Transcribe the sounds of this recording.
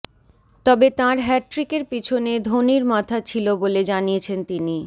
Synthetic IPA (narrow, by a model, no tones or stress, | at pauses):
t̪ɔbet̪ãɾɦɛʈɾikeɾpit͡ɕʰoned̪ʱoniɾmat̪ʰat͡ɕʰiloboled͡ʑaniet͡ɕʰent̪ini